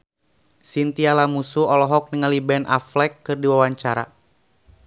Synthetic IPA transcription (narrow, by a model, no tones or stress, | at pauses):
sint̪ialamusuɔlɔɦɔk̚niŋalibɛnʔa̰flɛkːɨrdiwawaɲt͡ʃaɾa̰